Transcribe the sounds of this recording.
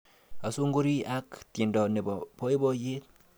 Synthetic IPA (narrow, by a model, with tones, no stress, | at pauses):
a˨so˦ŋɡo˦ɾi˦ʔa˦kt̪e˨ndɔ˨ne˨bɔ˨pʰɔ˦e˦bɔ˦je˦t̪̚